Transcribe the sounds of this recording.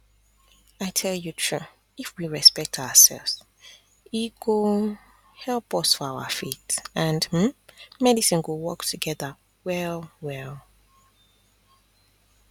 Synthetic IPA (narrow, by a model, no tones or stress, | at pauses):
aɪtʰɛljutʰɹ̥u | ifwiɹɛspɛk̚tʰaʊəsɛ̰lˠvz̥ | iɡo | hɛlˠpɔsfɔaʊə̰fitə̃ndm̩mɛdisɨ̃nɡowɔktʰuɡɛðə | wɛlˠwɛlˠ